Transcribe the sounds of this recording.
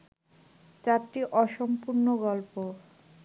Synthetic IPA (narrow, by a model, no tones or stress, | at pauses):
t͡ɕaɾʈiʔɔʃompuɾnoɡɔlpo